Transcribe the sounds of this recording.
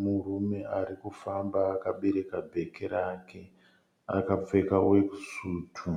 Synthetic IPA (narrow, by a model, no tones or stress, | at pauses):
murume̞aɾikufambaːkaɓe̞ɾe̞kabʱe̞keɾakʰe̞ | a̰kap͡fe̞kawe̞ku̥suːtʰu